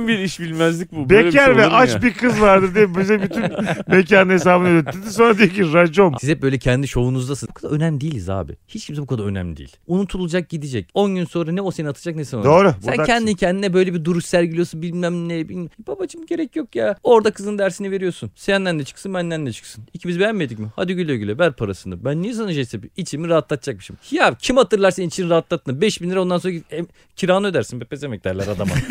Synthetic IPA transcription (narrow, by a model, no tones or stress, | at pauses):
biɾiʃbilʲmæzlʲic̚bubecʰæɾvɛʔat͡ʃbiɾkʰɯzvaɾd̪ɯɾd̪ebyzɛbyt̪ʰynnmec̬aːnhes̬aːbɯnaøt̪ʰːid̪iso̞nɾad̪ijeciɾad͡ʒonsizɛp̚bø̞jlʲɛcʰɛnd̪iʃo̞vunuzd̪asɯbukʰad̪aønæmd̪iːlʲiza̰ːbḭhit͡ʃcʰims̬ɛbukʰad̪aønæ̰mʲid̪ḭːlʲunut̪ʰulˠad͡ʒak̚ɟid̪id͡ʒɛco̞nɟynso̞nɾanɛose̞niat̪ʰɯ̥d͡ʒak̚nesinod̪oːɾusncʰɛnd̪incʰɛnd̪inɛbø̞jlʲebid̪uɾuʃsæɾɟilʲijosunbilʲmæmnːɛbilʲmɛbabat͡ʃʰɯmɟe̞ɾɛcjo̞kjaːo̞ɾd̪akʰɯzɯnd̪æɾsinive̞ɾijosunsejænːænʲɛt͡ʃʰɯ̥ksɯnbænːænʲɛt͡ʃʰɯ̥ksɯnicʰimizibe̞jæmːed̪icmiha̰d̪iyɟylʲøɟylʲɛvæɾpʰaɾasɯnd̪abænːisanɯʒesebiit͡ʃʰimiɾaɦat̪lˠat̪ʰd͡ʒak̚mɯʃimhjacʰimat̪ɯɾlˠaɾseninit͡ʃʰiniɾaɦat̪lˠat̪ʰːɯnbɛʃbinlʲiɾɛond̪anoɾaɛ | cʰiɾaːnɯø̞d̪æɾsinbepezemɛc̚d̪æɾlʲæɾad̪ama̰